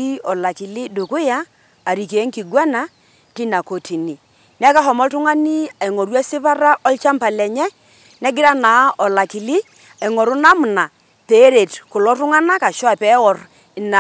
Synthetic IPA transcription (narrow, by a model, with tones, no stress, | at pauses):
i˦ɔ˨la˨kɪ˨lɪ˦dʊ˨kʊ˦jaː˦˨ | ɾi˨ke˨˦ŋki˨ɡwa˦na˦ | ti˦na˨ko˨tʰi˨ni˨ | ni˦a˦ka˦ɦɔ˨mɔ˦ltʊ˦ŋa˦ni˦a˨i˨ŋo˨ɾwa˦sɪ˦pa˦ɾa˦ʔɔ˦lt͡ʃa˦mpa˨lɛ˨ɲɛ˦ | nɛ˦ɡɪ˦ɾa˦na˨˦ɔ˨la˨ki˨li˦ | a˨ɪ˨ŋɔ˨ɾʊ˦na˦mʊ˨na˨ | pe˨˦ɾe˨tkʊ˨lɔ˦tʊ˦ŋa˦na˦ka˨ʃɔ˦a˨pɛ˨˦wɔ˨r | ɪ˨na˨